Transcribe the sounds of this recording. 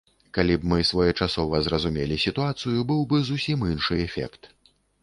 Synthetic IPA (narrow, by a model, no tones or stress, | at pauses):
kalʲibmɨsvɔjɛt͡ʂasɔvɐzɾɐzumʲɛlʲisʲit̪uat̪sɨjubɨwbɨzusʲiminʂɨɛfʲɛ̰kt̪